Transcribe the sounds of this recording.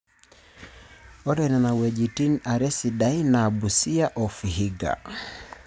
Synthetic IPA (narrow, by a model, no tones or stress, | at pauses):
ɔɾɛnanawɛʄitinaɾɛsiɗainabusiaʔɔfiɦiɡa̰